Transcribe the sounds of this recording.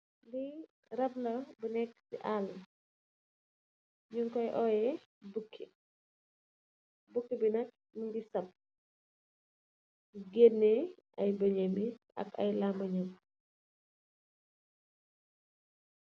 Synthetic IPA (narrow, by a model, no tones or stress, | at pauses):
di | ɾɐblɐbənɛkːsḭʔal | ɲuŋkɔjʔɔːjɛ | bukʰːi | bukːibinɐk̚ | nuŋɡisɐp̚ | ɡenːɛɐjbɐɲɐmiɐ̰kɐ̰jlamɐɲɐm